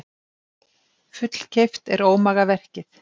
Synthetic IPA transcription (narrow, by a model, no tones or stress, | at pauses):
fʏt̪l̥cʰejft̪ɛɾoːwmaːɣavɛr̥cɪθ